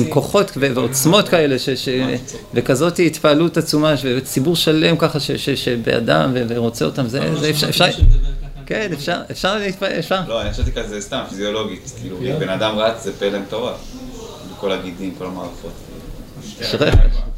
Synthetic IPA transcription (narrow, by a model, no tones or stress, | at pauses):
mko̞χo̞tveveot͡smo̞tkae̞le̞ʃeʃe | vekazo̞tiit̪paːlutat͡sumaʃvet͡sibuʁʃale̞mkaχaʃeʃeʃebḛa̰da̰mveveʁo̞t͡seotamzḛzefʃfʃaʁ | kenefʃaʁefʃaʁleit̪̚paefʃaʁlo̞anixχaʃevt̪ikazest̪amfizio̞lo̞ɡit̪kiluibenadamʁat͡szepelemt̪o̞ʁa | beko̞laɡidimko̞lama̰ːʁifo̞t̪ | ʃʁeχḛʃ